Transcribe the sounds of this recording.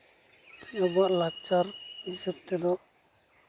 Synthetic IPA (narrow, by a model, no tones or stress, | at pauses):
ɔbɔaʔlak̚t͡ʃaɾhisab̚t̪ɛd̪ɔ